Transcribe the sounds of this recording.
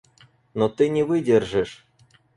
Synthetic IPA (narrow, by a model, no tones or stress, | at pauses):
not̪ɨnʲevɨdʲerʐɨʂ